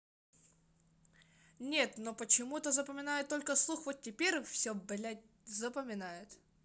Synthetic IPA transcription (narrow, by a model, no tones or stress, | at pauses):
nʲe̞t̪nopət͡ɕɪmut̪əzəpəmʲɪnajʊt̪ːo̞lʲkəslˠuxvot̪̚tʲɪpʲeɾʲfsʲɵblʲæt̚ʲ | zəpəmʲɪnajʊt̪